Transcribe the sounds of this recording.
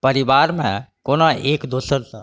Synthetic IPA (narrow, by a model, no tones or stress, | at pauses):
pəɾɪbaːɾmẽkoːnaʔeːkd̪oːsəɾsa